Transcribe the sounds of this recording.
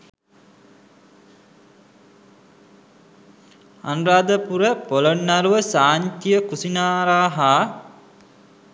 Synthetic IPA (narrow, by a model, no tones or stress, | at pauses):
a̰nraːd̪əpuɾəpolonːaɾuʋəsaːɲt̪ijəkusinaːɾaːɦaː